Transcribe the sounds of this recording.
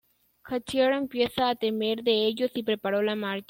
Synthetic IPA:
kat͡ʃieɾempje̞saːt̪eme̞ɾðeeʝo̞sipɾepaɾolamaɾt͡ʃ

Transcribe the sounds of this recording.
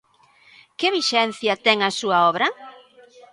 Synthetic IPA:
keβiʃɛn̟θjɐt̪ɛŋɐsuɐɔβɾɐ

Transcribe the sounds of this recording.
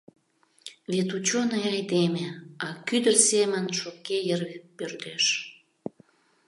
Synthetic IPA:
βet̪ut͡ɕonejɑjd̪emeɑkyd̪ərsemənʃokejərpørt̪eʃ

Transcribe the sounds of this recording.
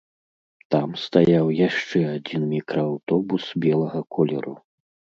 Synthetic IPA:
t̪amst̪ajawjaʂt͡ʂɛad͡zʲinmʲikɾɐawt̪ɔbusbʲɛlˠɐɣɐkʰɔlʲɛ̰ɾṵ

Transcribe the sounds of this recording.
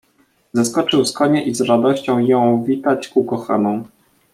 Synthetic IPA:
zaskɔt͡ʂɘwskɔɲɛʔizɾad̪ɔɕt͡ɕɔ̃w̃jɔ̃w̃vʲit̪at͡ɕkukɔxa̰nɔ̃w̃

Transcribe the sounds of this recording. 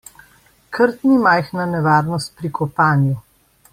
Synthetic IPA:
kʰəɾt̪nimajxnanɛʋaːɾnɔst̪̚pɾikʰɔpaːnju

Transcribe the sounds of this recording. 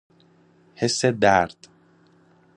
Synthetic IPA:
hesːed̪æɾd̪̥

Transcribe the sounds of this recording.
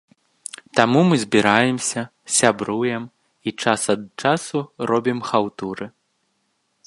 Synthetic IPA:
t̪amumɨzʲbʲiɾajɛmsʲɐ | sʲabɾujɛm | it͡ʂasɐd̪̚t͡ʂasuɾɔbʲimxawt̪uɾɨ

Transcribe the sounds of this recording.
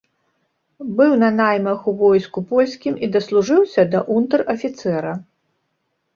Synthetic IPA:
bɨwnɐnajmɐxuvɔjskupɔlʲsʲkʲimid̪ɐslˠuʐɨwsʲɐd̪ɐʔunt̪ɐrɐfʲit̪sɛɾɐ

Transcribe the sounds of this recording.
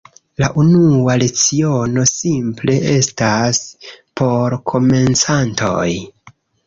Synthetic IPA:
laʔunuale̞t͡sio̞no̞simple̞ʔe̞staspʰo̞ɾkʰo̞me̞nt͡santʰo̞̰j

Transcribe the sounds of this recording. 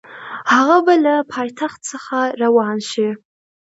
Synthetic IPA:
haʁabalapʰaːjtʰaχtt͡sʰaχarawɑːnʃe

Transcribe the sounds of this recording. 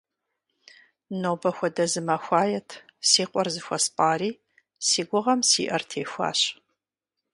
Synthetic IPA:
nowbɐxʷɔdɐzɨmɐxʷaːjɛtʰsiːqʷʼɔrzɨxʷɔspʼaːriː | siːɡʷʊʁɐmsḭːʔɐrtʰeːxʷa̰ːɕ

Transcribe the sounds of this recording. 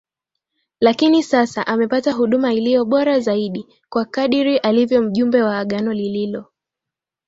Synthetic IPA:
lakinisasaʔamɛpataɦuɗumailijɔɓɔɾazaiɗi | kwakaɗiɾiʔalivjɔm̩ʄumbɛwaːɠanɔlililɔ

